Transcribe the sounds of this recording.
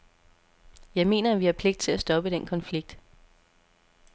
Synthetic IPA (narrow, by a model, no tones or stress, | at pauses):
jɑ̈ɪme̝̰ːnɐæʋiæɐpʰleɡ̥̚d̥̚t͡sʰe̝læsd̥ɒ̽b̥əd̥en̰kʰɒ̽nfliɡ̥̚d̥